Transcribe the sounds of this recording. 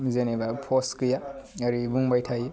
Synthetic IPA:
mizenebapʰoskɯjaaɾibuŋbajtʰaji

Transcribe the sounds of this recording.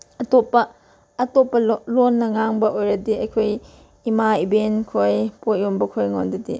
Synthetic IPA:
ɐtopːɐː | topːɐlonːɐŋaŋbɐʔojɾɐdiɐjkʰoj | imaibenkʰojpotjombɐkʰojŋondɐdi

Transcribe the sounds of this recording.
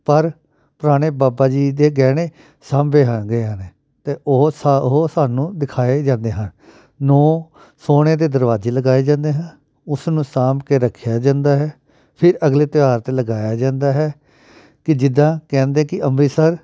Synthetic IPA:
pəɾ | pʊɾaːɽ̃eːbaːbaːd͡ʒiːd̪eːɡɛːɽ̃eː | saːmʋeːɦãːɡəaəneː | t̪eːossaːnũːd̪ɪkʰaːeːd͡ʒãːnd̪eːɦən | nɔː | soːɽ̃eːd̪eːd̪əɾʋaːzeːləɡaːeːd͡ʒãːnd̪eːɦãnː | ʊsnũːsaːmkeːɾəkʰːjaːd͡ʒãːnd̪aːɦɛː | pʰɪɾəɡleːt̪ɪʋaːɾt̪eːləɡaːjaːd͡ʒãːnd̪aːɦɛː | kɪd͡ʒɪd̪ãːkɛ̃ːnd̪ẽːkɪʔəmiːsəɾ

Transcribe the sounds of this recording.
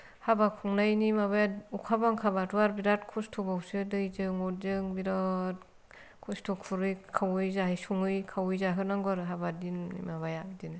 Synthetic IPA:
habakʰuŋnajnimaβajaukʰabaŋkʰabatʰuaɾbiɾat̚kʰustʰubawsɯdɯjzɯŋɔtzɯŋbiɾɔt | kʰustʰukʰuɾɯjkʰawɯjzaɦɯjsuŋɯjkʰawɯjzaɦɯnaŋɡaɾɯɦabadinnḭmaβajadinɯ

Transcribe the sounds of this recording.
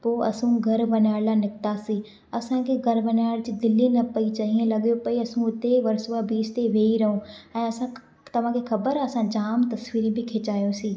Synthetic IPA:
poːʔɐ̰sũɡʱɐɾʋɐnaːɽlanɪk̚t̪asiː | ɐsãkʰeɡʱɐɾbɐnaːɽd͡ʑɪd̪ɪlːinɐpɐit͡ʃɐɦiẽlɐɠijopɐiɐsũʊt̪eʋɐɾsuabiːst̪eʋeːiɾɐɦũɛ̃ːɐsã | t̪ɐʋ̤ãkʰexʰɐbəɾɐsãd͡ʑaːmt̪ɐsʋiːɾĩbʱɪkʰeːt͡ʃaːjõsiː

